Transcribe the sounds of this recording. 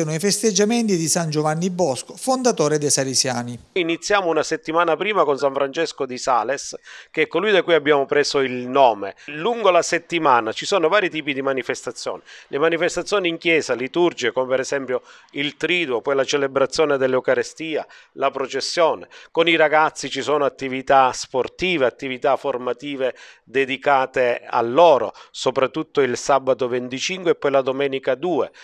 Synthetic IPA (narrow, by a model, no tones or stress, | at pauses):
oːnoifest̪ed͡ʒːament̪id̪isand͡ʒovanːibɔskofond̪at̪oːɾed̪esaɾisjaːniinit̪sːjaːmounaset̪ːimaːnapɾiːmakonsaɱfɾant͡ʃɛskod̪isaːleskeɛkːolujd̪akːuiabːjaːmopɾɛːsoilnɔːmeluŋɡolaset̪ːimaːnat͡ʃisoːnovaːɾit̪iːpid̪imanifest̪at̪sːjo̰ːnilʔemanifest̪at̪sːjoːniːŋkjɛːsalit̪urd͡ʒiekomepɛɾɛsɛmpjoilt̪ɾiːd̪uopɔjlat͡ʃelebɾat̪sːjɔːned̪elːeukaɾest̪iːalapɾot͡ʃesːjɔːnekoniɾaɡat̪sːit͡ʃisɔːnoat̪ːivit̪asport̪iːveat̪ːivit̪aformat̪iːved̪ed̪ikaːt̪ea̰lːɔːɾo̰sopɾat̪ːut̪ːoilsabat̪ovent̪it͡ʃiŋkweɛpːɔjlad̪omɛːnikad̪uːḛ